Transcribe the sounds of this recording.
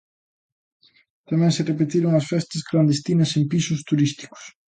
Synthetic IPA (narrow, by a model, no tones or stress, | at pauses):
t̪amɛ̃ŋsɪrepet̪iɾʊŋɐsfɛst̪ɐskland̪est̪inɐsempisʊst̪uɾist̪i̥kʊ̥s